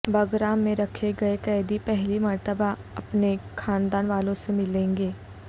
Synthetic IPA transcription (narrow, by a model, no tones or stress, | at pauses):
bɐɡɾaːmːẽɾɐkʰeɡɐekɛːd̪ipɛɦlimɐɾt̪əbaɐpnekʰaːnd̪aːnʋaːlõsemɪlẽːŋɡeː